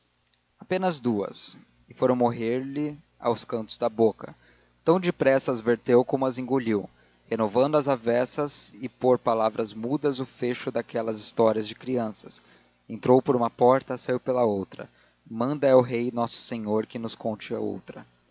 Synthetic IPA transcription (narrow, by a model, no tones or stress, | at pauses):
apẽnɐzd̪uɐ̰s | ɪfoɾɐ̃w̃moɦeɾlɪ | a̰wskɐ̃nt̪ʊ̥zd̪ɐbokɐ | t̪ɐ̃w̃d͡ʒɪpɾɛsɐːzveɾt̪ewkõmʊɐzẽŋɡuʎiw | henovɐ̃nd̪ʊɐzavɛsɐzɪpoɾpalavɾɐzmud̪ɐzʊfeʃʊd̪akɛlɐzist̪ɔɾiɐzd͡ʒɪkɾiɐ̃sɐ̥s | ẽnt̪ɾowpoɾũmɐpɔɾt̪ɐsajiwpelɐowt̪ɾɐ̰ | mɐ̃nd̪ɐɛʊɦejnɔsʊ̥sẽɲoɾkɪnʊskõnt͡ʃɪɐ̰o̰wt̪ɾɐ